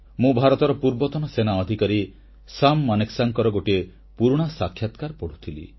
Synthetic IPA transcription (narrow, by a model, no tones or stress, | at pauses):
mũbʱaɾɔt̪ɔɾɔpuɾbɔt̪ɔnɔsenaɔd̪ʱikaɾi | samːaneksaŋkɔɾɔɡoʈie | puɾuɽ̃asakʰjat̪kaɾpɔɽ̤ut̪ʰilḭ